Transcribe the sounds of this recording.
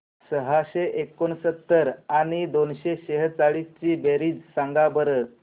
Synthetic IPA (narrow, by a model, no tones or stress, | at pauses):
səɦaɕeʔekːonsət̪ːəɾaɽ̃id̪onɕeɕeɦt͡saɭist͡ɕiːbeɾiːd͡zsãŋɡabəɾət̪